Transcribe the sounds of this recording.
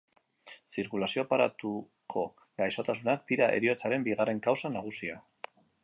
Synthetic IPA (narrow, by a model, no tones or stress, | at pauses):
siɾkulasio̞paɾa̰t̪u | kʰo̞ | ɡajso̞t̪asunak̚d̪iɾae̞̰ɾio̞t͡saɾe̞mbiɣare̞ŋkawsanaɣ̞usia